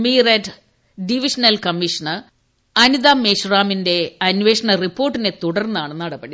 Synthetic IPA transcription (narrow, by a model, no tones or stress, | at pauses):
mireʈ | ɖiʋiʂɐnɐlkɐmːiʂɐnɐ | ɐnid̪aːmeːɕuraːminde̞ɐnʋeːʂɐɳɐripːoːrʈːine̞t̪uɽɐrnːaːɳɨnːɐɽɐpːɐɽi